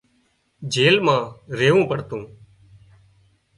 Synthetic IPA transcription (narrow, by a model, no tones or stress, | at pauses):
d͡ʒʱeːlmãːɾeːʋũːpəɽt̪õː